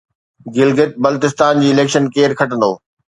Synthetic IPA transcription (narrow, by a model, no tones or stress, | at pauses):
ɡɪlɡɪt̪̚bɐlt̪ɪst̪aːnd͡ʑiːɪleːkʃənkeːɾkʰɐʈə̃nd̪oː